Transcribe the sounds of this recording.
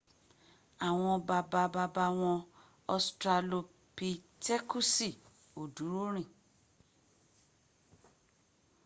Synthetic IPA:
a˨w̃ɔ̃˧ba˧ba˧ba˧ba˧w̃ɔ̃˧ | ɔ˧stɾa˧lo˧ | pi˧tɛ˦ku˦si˦˨ | o˨du˨˦ɾo˦ɾ̃ĩ˦˨

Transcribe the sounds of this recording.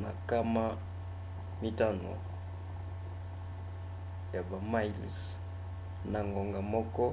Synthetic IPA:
na˨ka˦ma˦ | mi˦ta˦no̰˨ | ja˨ba˨ma˦i˨ls | na˨ŋɡo˨ŋɡa˨mɔ˦kɔ˦

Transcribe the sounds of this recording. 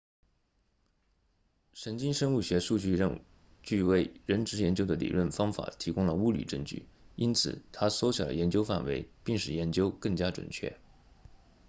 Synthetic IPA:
ʂə˧˥nt͡ɕi˥nʂə˥ŋu˥˩ɕɥɛ˧˥ʂu˥˧t͡ɕy˥˧ɻə̰˥˧n | t͡ɕy˥˧we˥˩ɪɻə˧˥nʈ͡ʂɻ̩˧˥jɛ˧˥nt͡ɕjo˥ʊd̪ə˧lḭ˨˩lwə˥˩nfɑ˥ŋfa̰˨˩˦t̪ʰi˧˥kʊ˥ŋlə˨u˥ly̰˨˩ʈ͡ʂə˥˧ŋt͡ɕy̰˥˩i˥nt͡sʰɹ̩̰˨˩t̪ʰa˥swɔ˧˥ɕjɑ̰˨˩ə̰˦jɛ˧˥nt͡ɕjo˥ʊfa̰˥˩nwe˧˥ɪpi˥˧ŋʂɻ̩˥˩jɛ˧˥nt͡ɕjo˥ʊkɤ˥˩ŋt͡ɕja˥ʈ͡ʂwə̰˨˩nt͡ɕʰɥɛ̰˥˩

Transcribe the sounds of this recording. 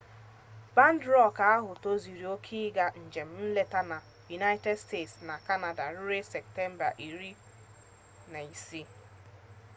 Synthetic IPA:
ba˦n˦dɾɔ˦˨ka˨˦a˦ɦʊ˨to˦zi˨ɾi˨˦o˦kʰi˦ɡa˨n̩˨d͡ʒe˨m̩˦n̩˦le˦ta˦na˨ | ju˨na˦ɪ˦te˦dste˦˨tsna˨ka˦na˨da˨ɾʊ˦ɾe˦sɛ˨k̚te˦m̩˦ba̰˨ʔi˨ɾi˦ | na˨i˨si˦

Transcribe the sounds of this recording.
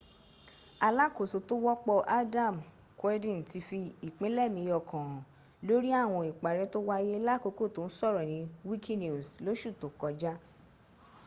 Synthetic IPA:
a˧la˦ko˨so˨to˦wɔ˦k͡pɔ˧ʔa˦dã˦˨m | kɛ˦dĩ˦˨n˨ti˧fi˧i˨k͡pẽ˦lɛ˦˨mĩ˧jɔ˧˨kʰã˨ | lo˦ɾi˦a˦˨w̃ɔ̃˧i˨k͡pa˨ɾɛ˧˦to˦wa˦je˦la˦˨ko˨˧ko˦˨to˨˦n̩˦sɔ˦˨ɾɔ˨nĩ˨˧˦wi˦ki˦ni˦u˨slo˨˦ʃu˦˨tõ˨kɔ˧d͡ʒa˦

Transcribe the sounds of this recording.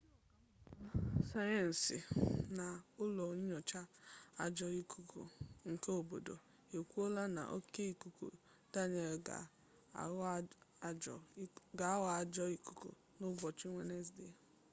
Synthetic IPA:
sa˦jɛ˨n̩˨si˨na˨ʊ˦lɔ˨ɲi˦ɲɔ˨t͡ʃa˦a˨d͡ʒɔ˦i˦ku˨ko̰˨ŋ̩˨ke˦o˨bo̰˨do̰˨ | e˨kʷu˦o˦la˦na̰˨ʔo̰˦ke˦i˨ku˨ko̰˨ | ta˦ɲe˨ɡa̰˨ | ɔ˨ɡa˨a˦wɔ˨a˨d͡ʒɔ˦i˨ku̥˨ko̰˨ | nʊ˦bɔ˨t͡ʃi˦ŋʷe˦ne˦s̬de˦

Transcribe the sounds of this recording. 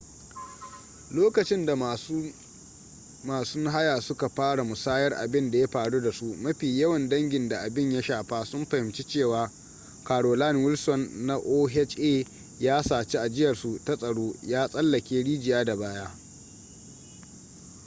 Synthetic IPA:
loː˦kɐ˨t͡ʃɪ˦nda˨˦ | maː˨sʊ˦ŋɦa˦jaː˨sʊ˦ka˨ɸaː˦ɽa˨mʊ˨saː˦jɐ˦rʔa̰˨bɪ˦nda˨ja˦ɸaː˨ɽu˦da˨su˦mɐ˦ɸiː˨jɐ˦wɐ˨ndɐ˦ŋɡʲɪ˨nda˨ʔa˨bɪ˦˨ɲja˦ʃaː˨ɸaː˦sʊ˦mɸɐ˨hɪ˨mt͡ʃi˦t͡ʃeː˦˨waː˦ | kaː˨ɽoː˨la˦˨nwɪ˦lsɔ˨nːa˦ʔoː˦ɦɛ˦t͡ʃʔeː˦˨ | jaː˦saː˨t͡ʃi˦ʔa˨d͡ʒɪ˦jɐ˨rsu˨ta˦sʼɐ˨ɽoː˦jaː˦sʼɐ˦lːɐ˨kʲeː˦ɽiː˦d͡ʒɪ˨jaː˦da˨baː˦jaː˦

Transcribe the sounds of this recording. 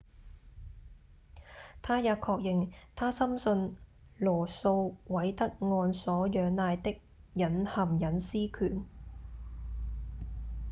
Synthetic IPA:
t̪ʰaː˥jaː˨˧kʰɔː˧k̚jɪ˨ŋt̪ʰaː˥sɐ˥msɵ˧n | lɔː˨˩so˧wwɐ˨˥jt̪ɐ˥k̚ŋɔː˧nsɔː˨˥jœː˨˧ŋnaː˧jt̪ɪ˥k̚jɐ˨˥nhɐ˨˩mjɐ˨˥nsiː˥kʰyː˨˩n

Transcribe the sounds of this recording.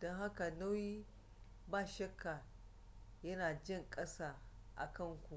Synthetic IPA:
d̥ɔ˦ŋɦa˦ka˨na˦wjiː˦ | baː˦˨ʃɐ˦kʰːa˨ | jɐ˦naː˨d͡ʒɪ˦˨ŋkʼɐ˦saː˦ʔa̰˨kɐ˦˨ŋkʷu˨

